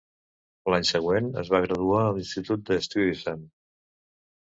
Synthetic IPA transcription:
laɲsəɣwenə̰zβaɣɾəðuaəlinst̪it̪ut̪̚d̪əst̪iisɛn

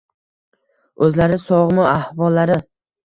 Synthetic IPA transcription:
ɵzlaɾɪsɒʁmʊahvɒlːaɾɪ

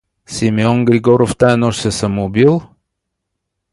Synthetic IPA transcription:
sʲimiɔnɡɾiɡɔɾoft̪aɛnɔʃsɛsɐmoːbilˠ

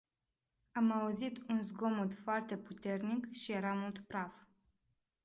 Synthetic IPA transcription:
amauzit̪unzɡo̞mut̪foart̪e̞put̪e̞rnikʃije̞ɾamult̪pɾaf

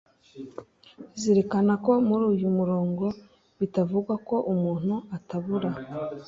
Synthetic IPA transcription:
ziɾekanako̞muɾuːjumuɾo̞ːŋɡo̞ | βitavuɡwako̞ʔumuːn̥huataβuɾa

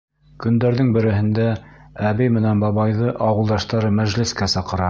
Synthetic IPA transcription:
kɵ̆nd̪æɾðɘŋbɘ̆ɾɘ̆ɦɘ̆nd̪æːβɘjmɘ̆nænbɑβɑjðɤʔɑwɤ̆lˠd̪ɑʃt̪ɑɾɤmæʒlɘ̆skæsɑqɤ̆ɾɑ

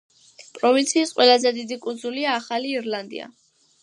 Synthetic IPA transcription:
pʼɾɔvint̪sʰiːsqʼwɛlˠazɛd̪id̪ikʼund̪zuliaːχaliːɾlˠand̪ḭa̰

